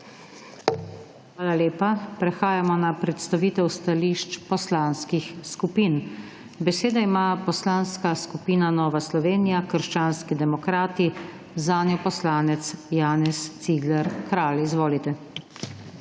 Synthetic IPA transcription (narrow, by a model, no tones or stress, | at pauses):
xʋaːlaleːpapɾɛxaːjamɔnapɾɛt̪st̪aʋiːt̪ɛwst̪aliʃt͡ʃpɔslanskixskupin | bɛseːd̪aimapɔslaːnskaskupiːnanɔːʋaslɔʋeːnijakəɾʃt͡ʃaːnskid̪ɛmɔkɾaːt̪i | zaːnjɔpɔslaːnɛt̪sjaːnɛst̪siɡlɛɾkɾaːlizʋoːlit̪ɛ